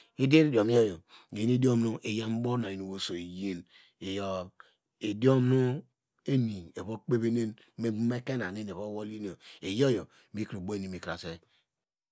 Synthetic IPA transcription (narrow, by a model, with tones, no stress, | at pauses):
i˦de˦ɾi˦di˨o˨mi˦o˦jo˨e˨˦e˦do˦mnu˦ʔe˨ja˦m̩˦bo˦na˨i˨no˨wo˦so˨e˨je˦n | e˨jo˨ | e˨di˦o˦mnu˦ | e˦ni˨e˨βo˦k͡pe˦βe˦ne˦n | me˦me˦ke˦na˨ne˦n˨e˨βo˦wo˦li˦n˨o˨e˨jo˦jo˨˦ | bi˦kɾo˨bo˦e˦ni˨mi˨kɾa˨se˦